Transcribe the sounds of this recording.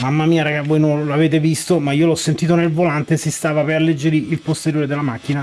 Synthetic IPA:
mamːamiːaɾaɡavːojnonloaveːt̪̬evist̪omaiːolɔsːent̪iːt̪̬onelvolant̪esist̪aːvapeɾalːed͡ʒːeɾiilpost̪eɾjoːɾed̪elamakːina

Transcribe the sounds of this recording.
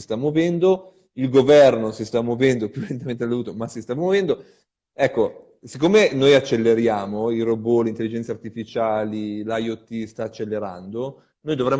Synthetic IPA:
st̪amwovɛnd̪o | ilɡovɛrnosist̪amwovɛnd̪opjulent̪ament̪eeld̪ovuːt̪omasist̪amwovɛnd̪o | ɛkːo | sikːoːmenojat͡ʃːelːeɾjaːmoirobolent̪elid͡ʒɛnt̪sart̪ifit͡ʃaːlilajot̪ːist̪aːt͡ʃːelːeɾa̰nd̪o | noːjd̪ovɾɛmː

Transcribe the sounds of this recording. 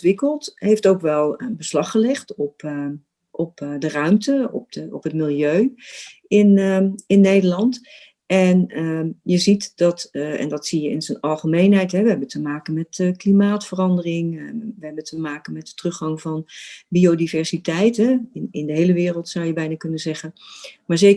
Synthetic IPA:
tʋɪkəlˠtɦejftowkʋɛlˠəbəslɑχəlɪχtɔp | ʔɔpdərœɥmtəɔ̰p̚ɔ̰pɦətmɪlˠjøɥ | ɪnəɪnːejdəɹlɑnt | ɛnəjəzitd̥ɑtɛ̰ndɑtsijəɪnzənɑlˠχəmejnɦɛjtɦɛʋəɦɛbəntəmaːkənmɛtəklimaːtfərɑndərɪŋʋəɦɛbəntəmaːkənmɛtətrɵχɑŋvɑnbiodivɛɹsitɛjtɛɪnɪndəɦejləʋɪːrəlˠtsɑwjəbɛjnakɵnəzɛχənmaːɹzejk

